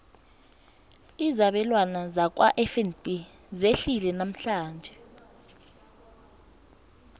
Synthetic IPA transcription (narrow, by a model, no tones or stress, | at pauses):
izaɓɛlwanazak̬ʼwa̰ʔɛfɛnbʼi | zeɬilɛnam̩ɬaːnd͡ʒʱɛ